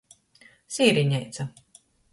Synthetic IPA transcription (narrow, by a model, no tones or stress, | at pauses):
siːɾiɲɛjt̪sɐ